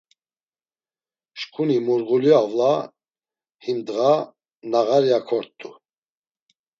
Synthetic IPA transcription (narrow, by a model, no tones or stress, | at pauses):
ʃkʰʼunimuɾɣuliavla | himd̪ɣa | naɣaɾjakʰɔɾt̪ʰʼːu